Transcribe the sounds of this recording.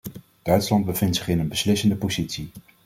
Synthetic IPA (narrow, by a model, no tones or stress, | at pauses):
d̥œɥtslɑnd̚bəvɪntsɪχɪnənbəslɪsəndəpozitsi